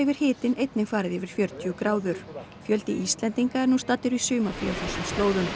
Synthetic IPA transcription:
ɪvɪɾ̥hɪːt̪ɪnejt̪nɪkfaːɾɪðɪvɪɾ̥fjœɾt̪ʰjʏkɾaːwðʏɾ̥ | fjœlt̪ɪʔist̪lɛnt̪iŋkaɛɾnust̪aːt̪ːʏɾisʏːmafɾiawθɛsːʏmst̪oːwðʏn

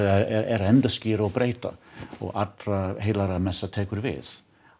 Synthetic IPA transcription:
ɛɛɛɾɛnd̪askiːɾaɔbɾeɪt̪a̰ɔ̰ʔat̪ɾahelaɾamɛsat̪ʰɛːkɵɾvɪ̰ːð

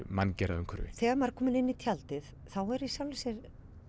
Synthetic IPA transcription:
mancɛɾa̰ðʏŋkʰʏɾvɪ̰θɛːɣaɾmaɾ̥kʰɔːmɪnɪnːit̪ʰjalt̪ɪθ | θawɛɾisjawlsɛɾ

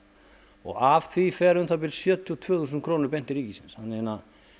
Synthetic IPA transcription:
ɔ̰ɣavθvifɛɾʏnθap̬ɪlsjœːt̪ʰjɔt̪ʰvœːθuːsʏnkʰɾoːwnʏɾpɛn̥t̪ɪɾiːcisɪnshanːeːna

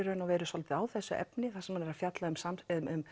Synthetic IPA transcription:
ɾœːnawvɛːɾʏsɔlt̪ɪaːwθɛsːʏʔɛ̰pnɪθasɛmhanɛɾaðfjat̪laʏmsamʏʏm

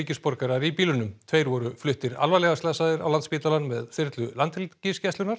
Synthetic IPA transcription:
ɪcɪspɔɾkaɾaɾipiːlʏnʏmt̪ʰveːjɾvɔɾʏflʏht̪ɪɾa̰lvalɛɣast̪lasaðɪɾa̰wlant̪spiːt̪alanmɛðθɪɾt̪lʏlant̪hɪlcɪscɛsʏnaɾ̥

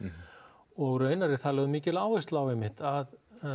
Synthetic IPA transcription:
ɔɣɾœːɥnaɾɪ̥θalœːðmiːcɪlaːwɪst̪lawɛmɪht̪að

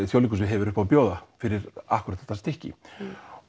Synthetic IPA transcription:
ɪθjowlikʏs̬ɪɦɛvɪɾʏhpawpjoːwðafɪɾɪɾa̰hkʏɾat̪ɛ̥t̪ast̪ɪhcɪ̰

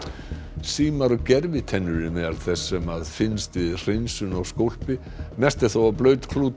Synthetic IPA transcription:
siːmaɾɔcɛɾvɪt̪ʰɛnːʏɾɪnɛðaɾθɛsːɛmaðfɪnst̪vɪðr̥ensʏnɔɣskowl̥pɪ | mɛst̪ɪθawaplœːɥt̪kʰluːt̪

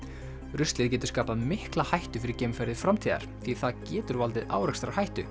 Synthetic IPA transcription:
ɾʏst̪lɪːðcɛːt̪ʏɾ̥skaːpamɪhklahajht̪ʏ̥fɪɾɪɾcɛjmfɛɾðɪfɾamt̪ʰiːða̰ɾ̥θiθaðcɛːt̪ʏɾvalt̪ɪða̰ːwɾɛkst̪ɾawhajht̪ʏ̰

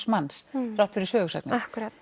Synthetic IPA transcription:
smansrawht̪ʏɾisœːɣʏsa̰knɪahkɾa

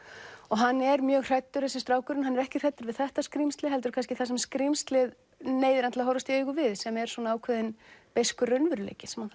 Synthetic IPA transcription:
ɔɣɦanːɛɾmjœːɣr̥ɛjt̪ːʏɾ̥θɛsɪst̪ɾaːwkʏɾɪnɦanːɛɾɛhcɪr̥ɛjt̪ːʏɾvɪðθɛht̪askɾimst̪lɪɦɛlt̪̬ʏɾ̥kʰans̬cɪθasɛmskɾimst̪lɪð | neːjðɪɾant̪lahɔwɾast̪ieɥɣʏvɪðsɛmɛɾ̥sɔnaaːwkʰvɛðɪnpejskʏrœɥnvʏɾlḛːjcɪsɛmhanθ

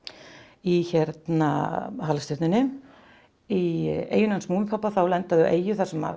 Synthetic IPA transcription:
içɛɾt̪na̰halst̪ɪft̪nɪnːʏ | iḛːjʏnansmuːmɪpʰapːaθawlɛnt̪aðʏ̰ʔḛːjʏθasɛma̰

